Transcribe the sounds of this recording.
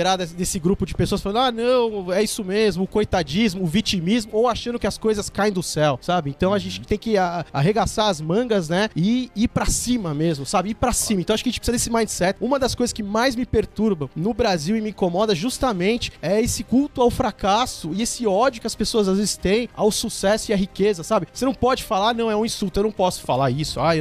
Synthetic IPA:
eɾad̪ɛd̪esɪɡɾupʊd͡ʒɪpesoɐsfalɐ̃nd̪ʊ̃anɐ̃w̃ɛisʊmezmʊːkojt̪ad͡ʒizmʊːvit͡ʃimizmʊowaʃɐ̃nd̪ʊkɪɐskojzɐskaẽj̃d̪ʊsɛwsabɪẽnt̪ɐ̃w̃aʒẽnt͡ʃɪ̥t̪ẽj̃kɪaa̰ɦeɡasaɐzmɐ̃ɡɐznɛɪiɾpɾɐsĩmɐmezmʊsabɪiɾpɾasĩmɐ̃t̪aʃʊkɐʒẽt͡ʃpsizd̪esɪmãj̃sɛt̪ũmɐd̪ɐskojzɐskɪmajzmɪpeɾt̪uɾbɐ̃w̃nʊbɾaziwɪmɪĩkomɔd̪ɐʒust̪ɐmẽnt͡ʃɪ̥ɛesɪkuwt̪ʊawfɾakasʊɪesɪɔd͡ʒʊkɪɐspesoɐzazvezɪst̪ẽj̃awsusɛsʊiɐɦikezɐsabɪvosenɐ̃w̃pɔd͡ʒɪfalanɐ̃w̃ɛũĩstult̪ʊewnɐ̃w̃pɔsʊ̥falaɾisʊae

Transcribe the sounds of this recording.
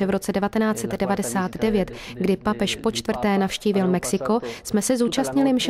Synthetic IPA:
ɛvɾo̞t͡sɛdɛvat̪ɛnaːt͡sɛt̪dɛvadɛsaːt̪dɛvjɛt̪ɡdɪpapɛʃpo̞t͡ʃt̪vr̩t̪ɛːnafʃciːvɪlmɛksɪko̞smɛsɛzuːt͡ʃast̪ɲɪlɪmʃɛ

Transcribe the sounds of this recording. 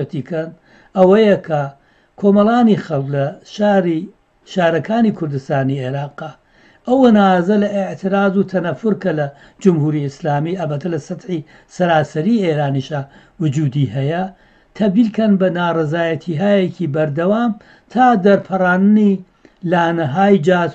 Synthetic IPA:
ɐt̪ikɐn | ʔɐwɐjɐkʰɐ | kʰoːmɐlˠaːnixɐlklɐʃaɾi | ʃaːɾɐkʰaːniːkʰʊɾd̪ɨst̪aːnieɾaːqa | ʔɐwɐnazɐlɐʔɪʕt̪ʰɨɾaːzut̪ʰɐnɐfʊɾkɐlɐ | d͡ʒʊmhuːɾiɪslaːmiʔɐbɐt̪ʰːɐlɐsɐt̪ħi | sɐɾaːsɐɾiːʔeːɾaːniʃaː | wʊd͡ʒuːd̪iɦɐjɐ | t̪ʰɐb̚d̪iːlkɐnbɐnaːrezaːjɐt̪ʰiːɦaːjekibɐɾd̪ɐwaːm | t̪ʰaːd̪ɐɾpʰɐraːnɨni | laːnɐɦaːjd͡ʒaː

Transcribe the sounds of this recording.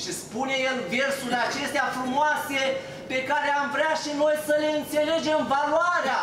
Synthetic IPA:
ʃispune̞jelve̞rsulat͡ʃe̞st̪eafɾumoase̞ | pe̞kaɾeamvɾeaʃino̞jsəle̞ɨnt̪se̞le̞d͡ʒe̞mvaloaɾea

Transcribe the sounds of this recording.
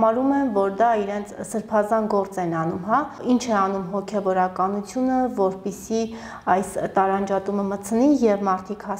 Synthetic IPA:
mɑɾumɛnvɔɾd̪ɑiɾɛnt͡sʰsəɾpʰɑzɑnɡɔɾt͡sɛnɑnumɦɑint͡ʃʰɛɑnumɦɔkʰɛvɔɾɑkɑnut͡sʰjunəvɔɾpisi | ɑjst̪ɑɾɑnd͡ʒɑt̪uməmət͡sʰnijɛvmɑɾt̪ʰikhɑ

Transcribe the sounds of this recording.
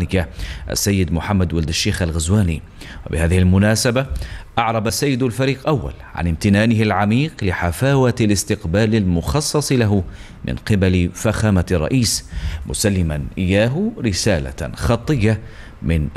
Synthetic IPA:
nɪkaʔa̰sːajːɪd̪mʊħamːad̪wald̪aʃːeːxalɣazwaːnḭ | wɪbɪ̰haːðɪhɪlmʊnaːsabaʔɑʕɾˤɑbasːajːɪd̪alfaɾiːqʔawːa̰lʕa̰nɪmt̪ɪnaːnɪhɪlʕamiːqlɪħafaːwalɪst̪ɪqbaːlɪlmʊxɑsˤːɑsˤlaɦ | mʔɪ̰nqɪbalfaxaːmarˤːɑ̰ʔiːsmʊ̰salːɪmanʔɪjːaːɦɾɪsaːla̰xɑt̪ˤːɨjːa | mɪn

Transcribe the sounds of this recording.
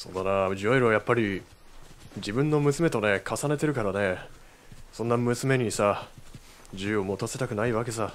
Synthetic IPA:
so̞̰ːd̪anaʑiaiɾɯβajapːaɾʲi | d͡ʑibɯ̟̃nːo̞mɯ̟sɨme̞t̪o̞ne̞kʰasane̞t̪e̞ɾɯ̟kaɾane̞ | sõ̞nːamɯ̟sɨme̞ɲ̟isa | d͡ʑɨjɯ̟omo̞ːt̪ase̞t̪akɯ̟naiβake̞s̬a

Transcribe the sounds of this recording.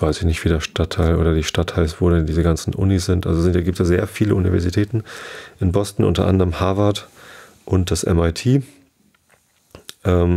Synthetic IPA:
v̥aɪsɪçnɪçtv̥iːdeːɐʃtatʰːaɪlʔo̰ːɾɐdiːʃtatʰhaɪstv̥oːɾɛndiːzəɡant͡sn̩ʔʊ̰nisz̥ɪntʔa̰lzoszɪntjaɡiːptsjaːzeːɐfiːləunivɛɐzitʰɛːtn̩ʔɪnbɔstn̩ʔʊ̰ntɐ̰ʔa̰ndəʁəmhaːvat | ʔʊnt̚d̥asʔɛ̰maɪtʰiː | ʔɛːm

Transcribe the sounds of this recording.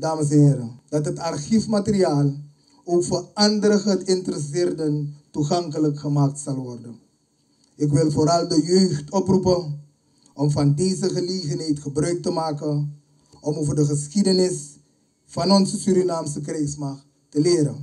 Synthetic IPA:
daːməs̬nɦɪːɾədɑtɦətɑrxifmatəriaːlˠ | oːkfəɑndərəɣətɪntərəs̬ɪːrdəntuχɑŋkələkχəmaːk̚tsɑlˠʋɔrdən | ɪk̬ʋɪlˠfoːɾɑlˠdəjøɥxtɔprupən | ɔmfɑndeːzəχəleːɣənɦɛjtχəbrœɥk̚təmaːkən | ʔɔmoːvərdəχəsxidənɪs | fɑnɔnsəsyɾinaːmsək̬rɛjsmɑx | təlɪːɾə

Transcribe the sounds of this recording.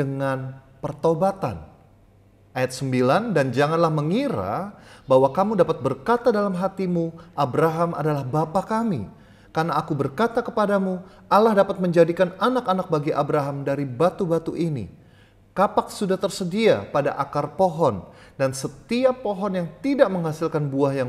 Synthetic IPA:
dəŋan | pərt̪obat̪a̰n | ʔajat̪̚səmbilandand͡ʒaŋanlahməŋiɾa̰baɦwakamudapat̪̚bərkat̪adalamɦat̪imuʔabɾaɦamʔa̰dalahbapakamḭ | karnaːkubərkat̪akəpadamu | ʔalahdapat̪̚məɲd͡ʒadikananakanak̚baɡiʔabɾaɦamdaɾibat̪ubat̪uʔinḭ | kapak̚sudaht̪ərsədiapadaʔakarpoɦɔndansət̪iapoɦɔnjaŋt̪idaʔməŋhasilkanbuahjaŋ

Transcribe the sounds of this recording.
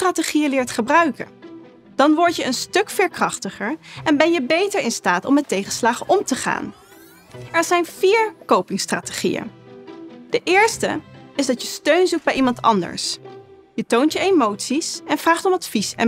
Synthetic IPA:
traːteχijəlɪːɹtχəbrœɥkə̰n | d̥ɑnʋɔɹtjəənstɵkfɪːɹkrɑχtəχəɹɛnbɛnjəbejtəɹɪnstaːtɔ̰mɛtejχənslaːχəʔɔmtəχa̰ːn | ɛɹzɛjnviːɹkowpɪŋstra̰ːte̥χḭjə̰n | d̥əʔɪːɹstə̰ɪzdɑtjəstøɥnzuk̚bɛjimɑntɑ̰ndə̰ɹs | jətowntjəejmowtsisɛnvraːχtɔmɑtfisɛ̰

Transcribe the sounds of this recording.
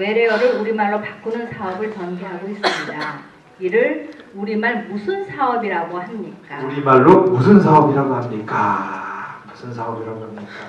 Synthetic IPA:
we̞ɾe̞ʌɾɯɾuɾimaɭːopak͈unɯnsʰaʌbɯɭt͡ɕʌnɡeɦaɡois͈ɯmɲida | iɾɯɭ | uɾimaɭmusʰɯnsʰaʌbiɾaɡohamɲik͈auɾimaɭːomusʰɯnsʰaʌbiɾaɡoɦamɲik͈a | musʰɯns̬ʰaʌbiɾaɡoɦamɲik͈a

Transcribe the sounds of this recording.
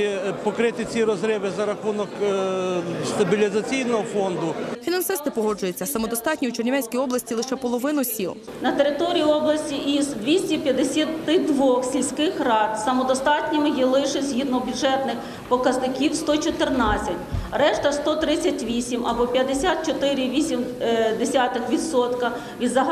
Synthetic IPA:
pɔkɾɪt̪ɪt͡sʲiɾɔzɾɛʋɪzɐɾɐxunɔk | st̪ɐbʲilʲizɐt͡sʲijnɔɦɔfɔnd̪ʊfʲinɐnsɪst̪ɪpɔɦɔd͡ʒʊjɛt͡sʲːɐsɐmɔd̪ɔst̪ɑtʲnʲiut͡ʃernʲʋɛsʲkʲijɔblˠɐsʲtʲilˠɪʃɛpɔlˠɔʋɪnʊsʲilˠ | nɐt̪eɾɪt̪ɔɾʲijiɔblˠɐsʲtʲiʔisd̪ʲʋʲisʲtʲipʲjɐd̪esʲat̪t̪ɪd̪ʋɔxsʲilʲsʲkɪxrɑt̪sɐmɔd̪ɔst̪ɑtʲnʲimɪjilˠɪʃɪzʲɦid̪nɔbʲʊʒɛt̪nɪx | pɔkɐznɪkʲiwst̪ɔt͡ʃɔt̪ɪrnɑt͡sʲːɐtʲrɛʃt̪ɐst̪ɔt̪ɾɪt͡sʲɐtʲʋʲisʲimɐbɔpʲjɐd̪esʲat̪̚t͡ʃɔt̪ɪɾʲɪʋʲisʲimd̪esʲat̪ɪxʋʲid̪sɔt̪kɐ | ʋʲid̪zɐɦ

